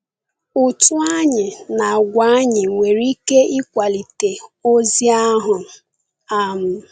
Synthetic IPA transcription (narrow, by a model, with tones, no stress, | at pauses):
ʊ˨tʊ˦a˦ɲɪ˨na˨ɡʷa˨˦ɲɪ˨ŋʷe˨ɾi˦ke˦i˦kʷa˨li˨te˨o˦zi˦a˦ɦʊ˨ | a˦m̩˨